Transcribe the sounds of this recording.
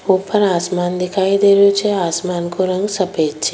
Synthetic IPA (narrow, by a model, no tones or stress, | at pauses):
uːpʰːɐɾaːsmaːnd̪ikaːjid̪eɾuːt͡ʃeːaːsmaːnkuɾɐŋɡsɐpeːt͡ʃːi̥